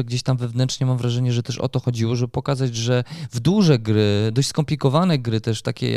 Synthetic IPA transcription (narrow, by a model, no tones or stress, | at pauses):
ɛɡd͡ʑeɕt̪amvɛvnɛntʂɲɛmamvɾaʐɛɲɛʐɛt̪ɛʂɔ̰t̪ɔxɔd͡ʑiwɔʐɛbɘpɔkazad͡ʑʐɛvd̪uʐɛɡɾɘd̪ɔɕt͡ɕʲskɔmplʲikɔvanɛɡɾɘt̪ɛʂt̪a̰kʲɛ̰